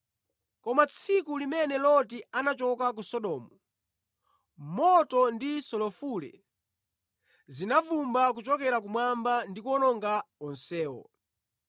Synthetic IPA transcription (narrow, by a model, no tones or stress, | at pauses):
kɔmat͡sʰikulimɛnɛlɔtianat͡ʃɔkak̬usɔɗɔːmɔ | mɔtɔndisɔlɔfulɛ̰ | zinavumbakut͡ʃɔkɛɾakumwambandikɔnɔŋɡaɔnsɛːɔ̰